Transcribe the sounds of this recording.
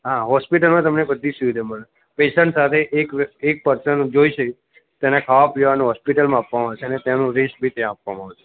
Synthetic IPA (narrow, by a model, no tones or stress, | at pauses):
ɦaɦɔspiʈəlmãt̪əmnebəd̪ʱːisuʋid̪ʱaməɭe | peʃəɳʈsat̪ʰeʔːkek̚pəɾsəɳd͡ʒoiʃe | t̪enakʰaʋapʋeʋanũɦɔspiʈəlmãapʋamaːʋet͡ʃʰeənet̪janũɾeʃbʱit̪jãːpʋamãːʋet͡ʃʰe̥